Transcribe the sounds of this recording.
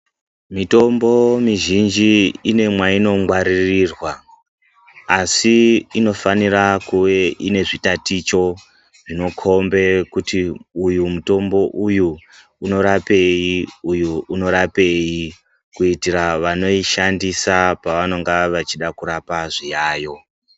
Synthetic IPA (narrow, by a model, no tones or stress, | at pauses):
mito̞mbo̞miʒind͡ʒiine̞mwaino̞ŋɡwaɾirirwa | siino̞faniɾakuwe̞ine̞ʐitatit͡ʃo̞ | ʐino̞kʰo̞mbe̞kutiujumuto̞mbo̞ʔujuː | no̞ɾapejiujuuno̞ɾape̞ji | kuitiraʋano̞iʃandisapaʋano̞ŋɡaʋat͡ʃiɗakuɾapaʐijaːjo̞